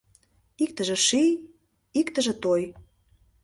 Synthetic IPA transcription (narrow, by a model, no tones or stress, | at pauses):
ik̚t̪ə̆ʒĕʃij | ikt̪ə̆ʒĕt̪oj